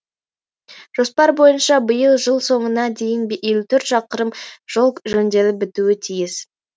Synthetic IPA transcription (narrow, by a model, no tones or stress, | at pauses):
ʒ̥o̞spɑɾbo̞jənʃɑbəjəlˠʒəlˠso̞ɴənɑd̪e̞jɪnbelut̪ʰʏɾt̪ʃɑqəɾəmʒ̥olˠʒɵnd̪e̞lɪp̚bɪt̪uɪt̪ʰijɪs